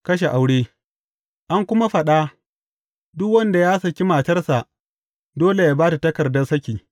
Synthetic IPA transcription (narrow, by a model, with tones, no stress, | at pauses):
kɐ˦ʃ̬e˨ʔa˨wɽeː˦ | ʔa˦ŋkʷʊ˦ma˦ɸɐ˨ɗa˦ | dʊ˦kwɐ˦nda˨jaː˦sɐ˨kʲi˦maː˨tɐ˦rsa˨ʔ | doː˦le˨jaː˦baː˦ta˨tɐ˦kɐ˨rdɐ˦sɐ˦kʲiː˨